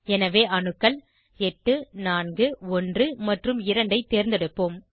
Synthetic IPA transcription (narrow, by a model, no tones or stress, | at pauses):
ɛnɐʋeːʔɐɳɯkːɐl | ɛʈːɯnaːnɡɯɔndrɯmɐʈrɯmɪɾɐɳɖɐɪt̪ːeːɾnd̪ɐɽɯpːoːm